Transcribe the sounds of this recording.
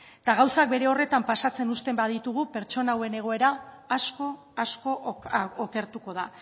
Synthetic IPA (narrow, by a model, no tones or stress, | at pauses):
t̪aɣawsak̚be̞ɾe̞o̞re̞t̪ampasat͡se̞nust̪e̞mbaðit̪uɣupe̞ɾt͡ʃo̞nawe̞ne̞ɣ̞o̞e̞ɾaː | sko̞ | asko̞oke̞ɾt̪uko̞ð̞a̰